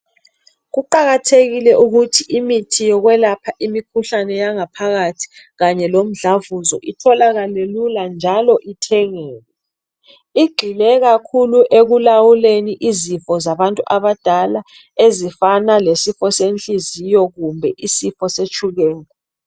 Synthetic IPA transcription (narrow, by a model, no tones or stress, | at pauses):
ɣuǃaɣatʰeɣilɛʔuɣutʰiʔimitʰijɔɣwɛlapʰaʔimikʰuɬanɛjaŋapʰaɣatʰi̥ | ɣaɲɛlom̩ɮavuzɔʔitʰɔlaɣaleluland͡ʒʱalɔʔitʰɛŋɛːlɛ | iɡ͡ǃʱilɛɣakʰuluʔeɣulawuleniʔizifɔzaβantʼuʔaβad̥ʱala | ezifanalesifɔsent͡ɬʼizijɔɣumbʱɛʔisifɔset͡ʃʰʼuɣɛːnɛ